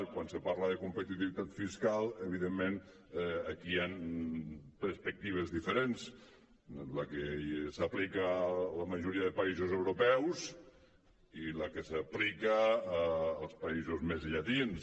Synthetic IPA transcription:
kwansəpaɾləðəkumpət̪it̪iβit̪at̪fiskalˠəβiðemːen | əkian | pəɾspək̚t̪iβ̞əzðifəɾens | ləkesəplikələməʒuɾiəðəpaizozewɾopɛwz | iləkəsəplikəː | lˠspɐizuzmezʎat̪ins

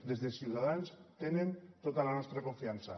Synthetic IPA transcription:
d̪e̞zðesiuðaðanst̪enẽnt̪ot̪alanost̪ɾako̞ɱfiansa

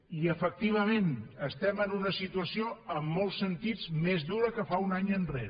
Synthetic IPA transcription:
iəfək̚t̪iβ̞əmenəst̪ɛmənunəsit̪uəsioəmːɔlˠsːənt̪id͡zmezðuɾəkəfaunaɲənreɾ

